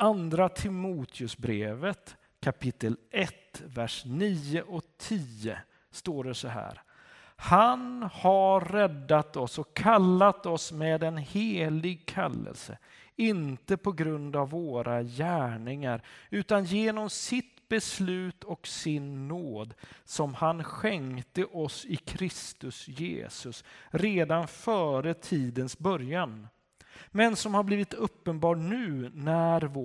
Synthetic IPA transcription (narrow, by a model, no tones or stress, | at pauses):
and̪ɾat̪ʰɪmuːt̪ʰɪɵsbɾeːvət̪ | kʰapʰɪt̪ːəlɛt̪væʂniːəʔɔt̪ʰiːə̰ | st̪oːɖɛsɔɦæ̰ːɾ | hanhaɾɛd̪ːat̪ɔsɔkʰːalːat̪ɔsmeːd̪ɛnheːlɪɡ̚kʰa̰lːə̰lsə̰ | ɪnt̪əpʰɔɡɾɵnd̪avːoːɾajæːɳɪŋaɾʉ̟ːt̪anjeːnɔmsɪt̪bɛslʉ̟ːt̪ʰɔksɪnːoːd̪sɔmhanɧɛŋt̪əʔɔsɪkʰɾɪst̪ɵsjḛːsɵsɾeːd̪anfœːɾət̪ʰiːd̪ənsbœɾjan | mɛnsɔmhaɾbliːvɪt̪ɵpːənbɑːʈnʉ̟ːnæɾv